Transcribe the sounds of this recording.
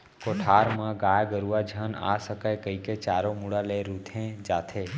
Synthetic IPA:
koːʈʰaːɾmãɡaːjɡəɾuʋad͡ʒʱəna̰ːsəkajkəiket͡ʃaːɾomuɽaleɾuːt̪ʰẽd͡ʒaːt̪ʰeː

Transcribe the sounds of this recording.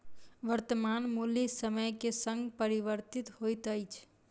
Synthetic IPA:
ʋəɾt̪əmanmulisəməjkesə̃ŋɡpəɾiʋəɾt̪it̪ɦojt̪əjt͡ʃʰ

